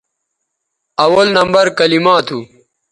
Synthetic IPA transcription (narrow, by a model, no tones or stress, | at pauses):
ɐwɐlnɐmbɐɾkɐlimãːt̪ʰu